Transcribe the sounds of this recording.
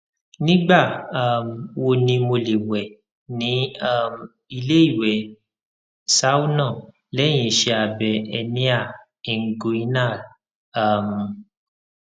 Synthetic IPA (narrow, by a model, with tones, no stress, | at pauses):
nĩ˦ɡ͡ba˦˨a˦˨m˨wo˧nĩ˧mo˧le˨wɛ˨ | nĩ˨˦a˦˨m˨ | i˧le˦i˦˨wɛ˨ | sa˦wu˦nã˦˨ | lɛ˨˦j̃ĩ˨ʃe˧a˨bɛ˨ɛ˧nĩ˦a˦˨ | i˨ŋ̩˨˦ɡo˧i˦na˦˨ | a˦˨m˨